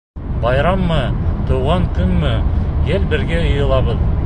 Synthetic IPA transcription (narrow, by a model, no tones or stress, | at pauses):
bɑjɾɑmːɤt̪ɤ̆wʁɑŋkɵnmɘjelbɘ̆ɾɡæɤ̆jɤ̆lˠɑβɤð